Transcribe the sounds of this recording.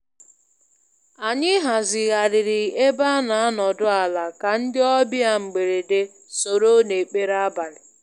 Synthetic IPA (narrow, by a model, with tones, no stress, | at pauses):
a˨ɲɪ˦ɦa˨zɪ˨ɣa˨ɾɪ˨ɾɪ˨e˦ba˦na˨a˦nɔ˨dʊ˦a˨la˨ka˨n̩˦dɪ˦ɔ˦bɪ˦a˦ŋ͡m̩˨ɡ͡be˨ɾe˨de˦ | so˨ɾo˦ne˨k͡pe˦ɾa˦ba˨ɾɪ˨